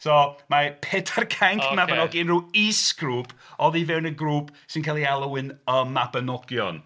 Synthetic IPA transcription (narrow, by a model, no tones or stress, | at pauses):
sɔmapʰeːtʰarkʰaŋkʰmabənɔɡjnruːisɡ̥ruːpʰɔðivɛwnəɡruːpʰsɪnkʰalˠialˠəwɨnəmabənɔɡ̥jɔn